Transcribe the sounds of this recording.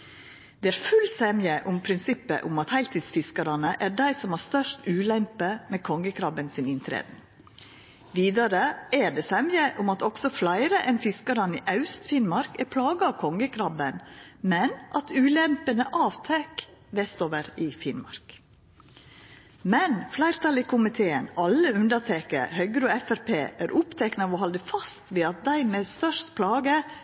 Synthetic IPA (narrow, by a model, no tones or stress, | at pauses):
d̪̥ɛːæːɾfʉlsɛmjəʔʊmpʰɾɪnsɪpːə̰ʔʊmɑt̪hæɪlt̪ʰiːd̪sfɪskɑɾɑnəʔæːɖæɪsɔmhɑːst̪œʂʈʉːlɛmpəmeːkʰɔŋːəkʰɾɑbənsɪnɪnt̪ʰɾḛːd̪ | ʋiːd̪ɑɾəæɖɛːsɛmjəʔʊmɑt̪ɔksɔflæɪɾəʔɛnfɪskəɾɑniːʔɑʉst̪fɪnmɑɾkæɾpʰlɑːɡəɑːʋkʰɔŋəkʰɾɑbənmɛnʔɑt̪ʉːlɛmpənəʔɑːʋt̪ʰɛkʋɛst̪oːʋəɾɪfɪnmɑ̰ɾk | mɛnflæɪɾt̪ʰɑlɪkʰʊmɪt̪ʰeːənɑlːəʉnd̪ətʰeːkə̰ɾhœɡəɾoːɛfæɾpʰḛːʔæːɾʔʊpt̪ʰɛknəɑʋoːhɔld̪əfɑst̪ʋeːɑt̪̚d̪æɪmeːsfœʂt̪pʰlɑːɡə